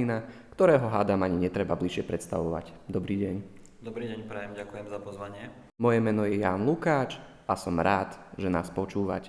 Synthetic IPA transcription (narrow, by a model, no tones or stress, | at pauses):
inakt̪ɔɾɛːɦɔɦaːd̪amaɲiɲɛt̪ɾɛbabliʃɪɛpɾɛt̪st̪a̰ʋɔʋa̰cd̪ɔbɾiːɟɛɲ | d̪ɔbɾiːɟɛɲpɾɛjɛmɟakujɛmzapɔzʋaɲɪɛ | mɔjɛmɛnɔjɛjaːnlukaːt͡ʃ | ʔasɔmɾaːt̪ʒɛna̰ːspɔt͡ʃuːʋa̰c